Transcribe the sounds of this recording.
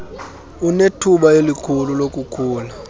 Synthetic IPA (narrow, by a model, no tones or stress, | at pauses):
unetʰuɓajelikʰululokʼukʰuːla